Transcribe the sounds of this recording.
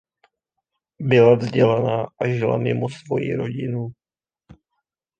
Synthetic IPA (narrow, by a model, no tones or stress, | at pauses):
bɪlavzɟɛlanaːʔaʒɪla̰mɪ̰mosvo̞jḭɾo̞ɟɪnu